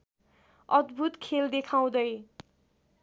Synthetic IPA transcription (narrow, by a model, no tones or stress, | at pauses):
ʌd̪bʱut̪kʰeld̪ekʰaw̃d̪ʌj